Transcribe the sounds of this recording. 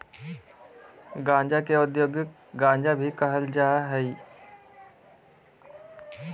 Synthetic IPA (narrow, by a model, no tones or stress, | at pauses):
ɡãːɲd͡ʒakeʊd̪joːɡək | ɡãːɲd͡ʒabʱikəɦəld͡ʒaːɦɛi